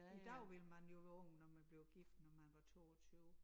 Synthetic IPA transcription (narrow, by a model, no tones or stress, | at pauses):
id̥ɑʊʋelmænjo̝ʋæɔŋ̰nɒmænb̥le̝ʊɡ̥ifd̥nɒmænʋɑ̈t͡sʰo̝̰ːɒt͡sʰyːʊ